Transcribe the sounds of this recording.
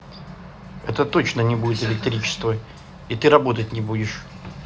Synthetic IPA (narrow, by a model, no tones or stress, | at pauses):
ɛ̰t̪ət̪o̞t͡ɕnənʲɪbudʲɪt̪əvʲɪk̚t̪ʲɐɾʲit͡ɕɪ̥st̪və | it̪ɨɾɐbo̞t̪ətʲnʲɪbudʲɪʂ